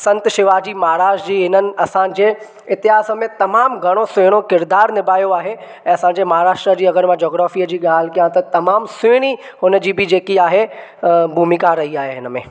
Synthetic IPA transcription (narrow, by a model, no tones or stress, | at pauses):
sɐ̃nt̪ʃɪʋaːd͡ʑiːmaɦaɾaːʃd͡ʑiːɦɪnənɪ̆ɐsãːɲd͡ʑeː | ɪt̪ɪɦaːsəmẽt̪ɐmaːmɡʱɐɽ̃osʊɽ̃okɪɾd̪aːɾnɪbaːjoaːɦe | ɛ̃ːɐsãɲ̆d͡ʑemɐɦaːɾaːʃʈɾəd͡ʑiːɐɡəɾmãd͡ʑoːɡɾaːfiːəd͡ʑiːɠaːl̤ɪkijãt̪ɐt̪ɐmaːmsʊɽ̃i | ɦʊnəd͡ʑiːbɪd͡ʑeːkiaːɦebʱuːmɪkaɾɐɦiaːɦeɦɪnəmḛ̃ː